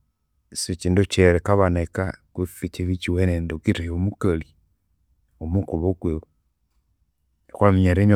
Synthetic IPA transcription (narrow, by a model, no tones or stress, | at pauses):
sot͡ʃindot͡ʃeɾekaβanekakufit͡ʃeβit͡ʃiwenendokitejomukali | omukuβoɡwe | kamiɲaɾeɲo